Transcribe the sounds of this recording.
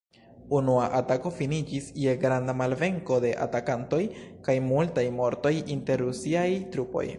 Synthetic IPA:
unuaʔatako̞finid͡ʒisjeɡɾandamalve̞ŋko̞de̞ʔa̰takanto̞jkajmultajmo̞ɾto̞jinte̞ɾɾusiajtɾupo̞̰j

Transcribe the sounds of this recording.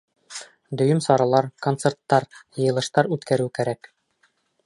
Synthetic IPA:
d̪ɵ̆jɵmsɒɾɑlˠɑɾko̞nt̪sert̪ːɑɾjɤ̆jɤ̆lˠɤ̆ʃt̪ɑɾʉt̪kæɾʉwkæɾæk

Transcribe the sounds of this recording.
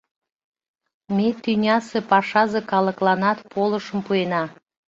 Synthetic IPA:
met̪ynʲɑsepɑʃɑzekɑləklɑnɑt̪pʰoləʃəmpuenɑ

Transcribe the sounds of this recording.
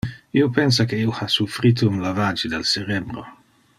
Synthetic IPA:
iopɛns̬akeiohasufɾit̪oumlavad͡ʒid̪elseɾɛbɾo̰

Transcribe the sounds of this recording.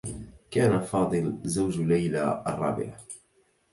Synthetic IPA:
kaːnafɑːd̪ˤɨlzawd͡ʒlajla̰ːʔɑ̰rˤːɑ̰ːbɪ̰ʕa

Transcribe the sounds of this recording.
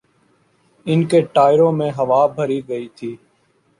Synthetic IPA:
ɪnkeːʈaːɪɾõːmẽːɦəʋaːbʱəɾiːɡəiːt̪ʰiː

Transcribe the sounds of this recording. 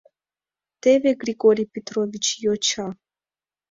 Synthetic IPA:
t̪ɛvɛɡɾiɡoɾipɛt̪ɾovit͡ʃjot͡ʃa

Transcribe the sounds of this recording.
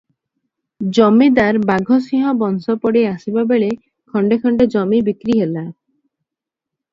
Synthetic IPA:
d͡ʒɔmid̪aɾbaɡʱɔsĩɦɔbɔnsɔpɔɽeasibabeɭe | kʰɔɳɖekʰɔɳɖed͡ʒɔmibikɾiɦela

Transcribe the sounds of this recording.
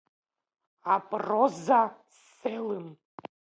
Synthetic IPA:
apʼroza | s | elɨm

